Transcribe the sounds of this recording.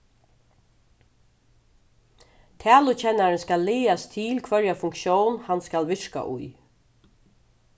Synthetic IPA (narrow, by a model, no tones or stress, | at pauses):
t̪ʰæːlʊt͡ʃʰɛnːaɾɛnskalːiːast̪ʰɪlkʰvœɹjafʊŋkʃjoːwnhanskalʋɪɹka̰ʔʊ̰j